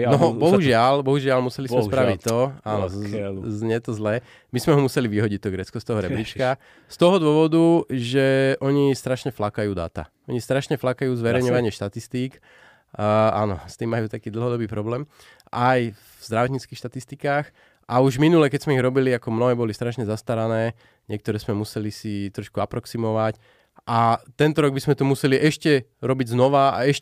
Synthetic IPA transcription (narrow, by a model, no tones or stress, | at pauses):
nɔɦbɔɦuʒɪalbɔɦuʒɪalmusɛlizmɛspɾaʋit̪ːɔaːnɔzɲɛt̪ɔzlɛː | mizmɛɦɔmusɛliʋiɦɔɟic̚t̪ɔɡɾɛt͡skɔst̪ɔɦɔɾɛblit͡ʃka | st̪ɔɦɔd̪ʊɔʋɔd̪uʒɛʔɔɲist̪ɾaʃɲɛflakajuːd̪a̰t̪a̰ | ɔɲist̪ɾaʃɲɛflakajuːzʋɛɾɛjɲɔʋaɲɪɛʃt̪at̪ist̪iːk | a̰nɔst̪iːmːajuːt̪akiːd̪l̩ɦɔd̪ɔbiːpɾɔblɛːm | ʔaj | z̥d̪ɾaʋɔt̪ɲiːt͡skiːxʃt̪at̪ist̪ikaːx | ʔauʒminulɛkɛzmɛiɣɾɔbiliakɔmnɔɦɛːbɔlist̪ɾaʃɲɛzast̪aɾanɛː | ɲɪɛk̚t̪ɔɾɛːzmɛmusɛlisit̪ɾɔʃkuapɾɔksimɔʋac | ʔat̪ɛnt̪ɔɾɔɡ̚bizmɛt̪ɔmusɛliʔɛʃcɛɾɔbiɟznɔʋaa̰ɛʃ